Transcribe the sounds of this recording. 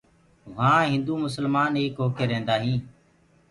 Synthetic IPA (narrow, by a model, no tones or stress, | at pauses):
ʋãːɦɪ̃nd̪uːmʊsəlmaːneːkɦoːkeːɾẽːnd̪aːɦĩː